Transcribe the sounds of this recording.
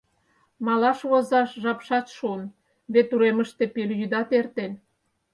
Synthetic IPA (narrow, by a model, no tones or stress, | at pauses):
mɑlɑʃβozɑʃʒɑpʃɑt̪ʃon | βet̪ːuɾeməʃt̪e̽peljyd̪ɑt̪ert̪en